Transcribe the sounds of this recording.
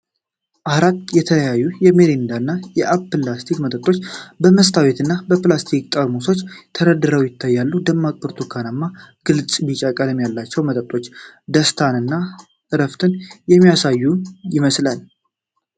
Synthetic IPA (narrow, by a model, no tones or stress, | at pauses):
ʔahɾat̪jɛt̪ʰələjajːujɛmeɾind̪anːajɛʔapːɨlast̪ʰikmət̪ʼət̪ʼːo̞t͡ʃːbəməst̪ʰawet̪ɨnːabəplast̪ʰikʼt̪ʼəɾmoso̞t͡ʃːt̪ʰəɾəd̪ːɨɾəwjɪt̪ʰːajːalːud̪əmːakʼuɾt̪ʰukʰanamːa | ɡ̥ɨlsʼmit͡ʃʼakʼələmjalːat͡ʃːɛwmət̪ʼət̪ʼo̞t͡ʃːd̪əst̪ʰanɨnːa | tɨɾəft̪ʰɨnjɛmːijasajːujɪməslən